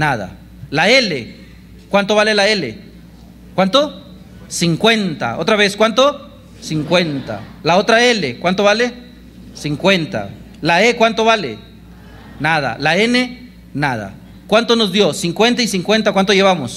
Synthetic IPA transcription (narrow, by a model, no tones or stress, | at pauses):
naða̰ | laele | kwant̪oβalelaelḛ | kwant̪o | siŋkwe̞nt̪a̰ot̪ɾaβeskwant̪o | siŋkwent̪a̰laot̪ɾaelekwant̪oβale | siŋkwe̞nt̪a̰ | laekwant̪o̞βalḛ | nað̞a̰laene | nað̞a̰ | kwant̪onozðjo̞siŋkwe̞nt̪aisiŋkwe̞nt̪akwant̪oe̞βamos